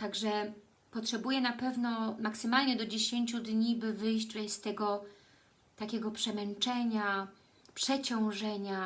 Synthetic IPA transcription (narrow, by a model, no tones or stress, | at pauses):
t̪aɡʐɛ | pɔtʂɛbujɛnapɛvnɔmaksɘmalɲɛd̪ɔd͡ʑeɕeɲt͡ɕud̪ɲibɘvɘjɕt͡ɕvɛst̪ɛɡɔ | t̪akʲɛɡɔpʂɛmɛnt͡ʂɛɲa | pʂɛt͡ɕɔ̃w̃ʐɛɲa